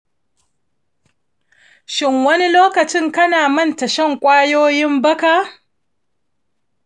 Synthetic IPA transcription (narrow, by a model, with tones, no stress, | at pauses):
ʃɪ˦ŋwɐ˦ni˦loː˦kɐ˨t͡ʃɪ˦ŋkɐ˦naː˨mɐ˦˨ntɐ˨ʃɐ˦˨ŋkʷʼaː˦joː˦jɪ˦mbɐ˦ka˨